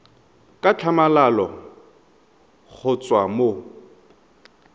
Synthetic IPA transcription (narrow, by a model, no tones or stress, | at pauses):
kʼat͡ɬʰamalalɔ | k͡xʰʊt͡sʼwamo